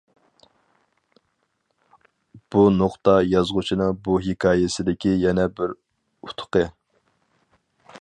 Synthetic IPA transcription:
b̥unoχt̪ɑjɑzʁʊt͡ʃʰinɨŋbuɦekʰɑːjɪsɪd̪ɪkʲijɛnɛbɪɾ | ut̪ʰʊ̥qə

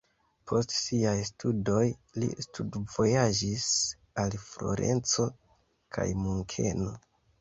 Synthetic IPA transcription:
pʰo̞stsiajstudo̞jlḭstudvo̞jad͡ʒis | alflo̞̰ɾe̞̰nt͡so̞ | kʰa̰jmuŋkʰe̞no̞

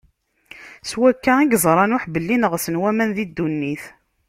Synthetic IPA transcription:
swækːæiɡzˤɾˤɑnʊħbəlːinəʁsənwæmænðid̪ːunːiθ

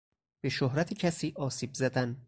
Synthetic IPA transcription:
b̥e̞ʃohɾæt̪ʰecʰæsiːʔɒːsiːbzæd̪æn

